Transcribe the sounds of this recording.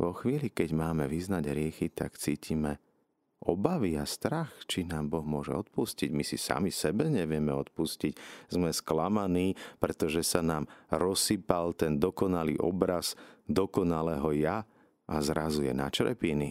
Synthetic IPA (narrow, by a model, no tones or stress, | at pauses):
ʋɔxʋiːlikɛɟmaːmɛʋiznaɟɾɪɛxit̪a̰kt͡siːcimɛ | ʔɔbaʋiast̪ɾaxt͡ʃinaːmbɔɣmʊɔʒɛ̰ɔt̪̚pusciɟmisisa̰misɛbɛɲɛʋɪɛmɛɔt̪pusciczmɛsklamaniːpɾɛt̪ɔʒɛsanaːmɾɔsipalt̪ɛnd̪ɔkɔnalḭʔɔ̰bɾazd̪ɔkɔnalɛɦɔja | ʔazɾazujɛ̰na̰t͡ʃɾɛ̰pini